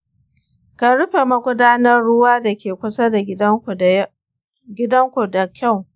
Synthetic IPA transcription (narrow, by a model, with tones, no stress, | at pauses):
ka˨ɾʊ˦ɸe˨mɐ˦ɡʷʊ˦daː˦nɐ˦rɽʊ˦waː˦da˨kʲeː˨kʷʊ˦sa˦da˨˦˨ | ɡʲɪ˦dɐ˦ŋkʷu˨da˨kʲa˦˨w